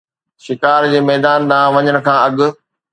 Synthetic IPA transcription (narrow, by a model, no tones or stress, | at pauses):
ʃɪkaːɾd͡ʑeːmɛːd̪aːnd̪aːʋɐɲəɽ̃̆kʰãːɐɠʊ̆